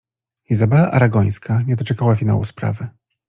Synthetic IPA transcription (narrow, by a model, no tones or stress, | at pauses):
izabɛlaʔaɾaɡɔj̃skʰaɲɛd̪ɔt͡ʂɛkawafʲina̰wṵspɾa̰vɘ